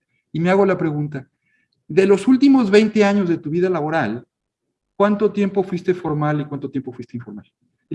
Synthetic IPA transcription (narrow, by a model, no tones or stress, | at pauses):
imeaɣ̞o̞lapɾe̞ɣunt̪a | ðe̞lo̞sult̪imo̞zβe̞jnt̪e̞aɲo̞zðe̞t̪uβiðalaβo̞ɾal | kwant̪o̞t̪je̞mpo̞fwist̪e̞fo̞ɾmalikwant̪ot̪je̞mpofwist̪eiɱfoɾmal